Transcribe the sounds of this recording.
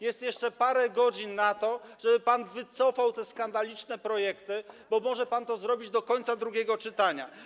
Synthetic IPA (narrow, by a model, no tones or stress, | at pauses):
jɛst̪jɛʂt͡ʂɛpaɾɛɡɔd͡ʑinːat̪ɔʐ̥ɛbɘpanvɘt̪sɔfawt̪ɛskand̪alʲit͡ʂnɛpɾɔjɛkt̪ɘbɔmɔʐɛpant̪ɔzɾɔbʲid͡ʑd̪ɔkɔɲt̪sad̪ɾuɡʲɛɡɔt͡ʂɘt̪aɲa